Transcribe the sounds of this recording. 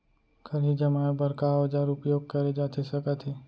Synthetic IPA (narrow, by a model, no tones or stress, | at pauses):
kʰɐɾɦid͡ʒɐmaːebɐɾkad͡ʒaːɾʊpjoːɡ̚kɐɾed͡ʒaːt̪ʰesɐkət̪ʰɦe